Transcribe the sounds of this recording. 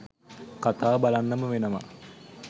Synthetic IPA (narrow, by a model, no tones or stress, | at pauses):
kat̪aːbalanːəməʋenəʋa̰